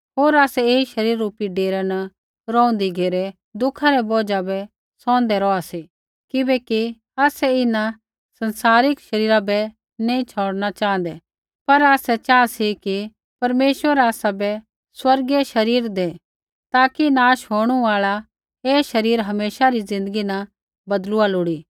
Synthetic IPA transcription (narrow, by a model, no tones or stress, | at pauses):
ɦoːɾaːsɛeːiʃɐɾiːɾːuːpiɖeːɾanɐ | ɾɔ̃ːʊ̃nd̪iɡʱeːɾɛ | d̪ʊkʰaɾɛbɔːd͡ʒabɛ | sɔ̃ːnd̪ɛɾɔasi | kɪbɛki | aːsɛɪna | sɐ̃nsaːɾɪkʃɐɾiːɾabɛ | nẽĩt͡ʃʰɔːɽnat͡ʃãːnd̪ɛ | pɐɾaːsɛt͡ʃaːasiki | pɐɾmeːʃwəɾaːsabɛ | swɐɾɡeʃɐɾiːɾd̪e | t̪aːkinaːʃɦoːɽ̃uaːɭa | eːʃɐɾiːɾɦɐmeːʃaɾizɪ̃nd̪əɡinɐ | bɐd̪lʊalʊɽiː